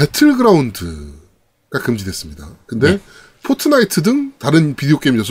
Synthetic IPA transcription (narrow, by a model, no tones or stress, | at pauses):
pe̞tʰɯɭɡɯɾaundɯ̰ | ɡ̥akɯmd͡ʑidwe̞s͈ɯmɲida̰kɯnde̞ | pʰotʰɯnaitʰɯdɯŋtaɾɯnpideok͈ejmd͡ʑʌsʰ